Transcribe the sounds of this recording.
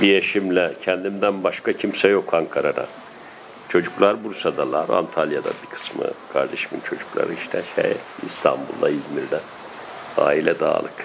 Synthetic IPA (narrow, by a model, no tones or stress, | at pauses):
bijeʃimlʲɛcʰɛnd̪imd̪ænbaʃkʰacʰimsɛjo̞kʰaŋkʰaɾana̰ | t͡ʃʰo̞d͡ʒuklˠaɾbuɾsad̪alˠaɾa̰nt̪ʰalʲˠjad̪a̰bikʰɯ̥smɯ̰kʰaɾd̪eʃimint͡ʃʰo̞d͡ʒu̥klˠa̰ɾɯiʃt̪ʰɛʃɛ̰ḭst̪ʰa̰mbṵlˠd̪aizmiɾd̪æ | a̰ːilʲɛd̪a̰ːlˠɯk